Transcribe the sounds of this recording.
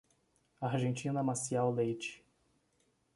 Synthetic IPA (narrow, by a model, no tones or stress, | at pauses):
aɾʒẽnt͡ʃĩnɐmasiawlejt͡ʃɪ̥